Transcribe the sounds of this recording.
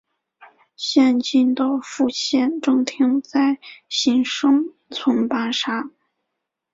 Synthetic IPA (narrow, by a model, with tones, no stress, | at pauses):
ɕjɛ˥˧nt͡ɕi˥˧nt̪o˥˧ʊfu˥˧ɕjɛ˥˧˩nʈ͡ʂɤ˥˧ŋt̪ʰi˥ŋt͡sa˥˩ɪɕi˧˥ŋʂɤ˥ŋ | t͡sʰʊ˧˥ŋpa˧˥nʂa˥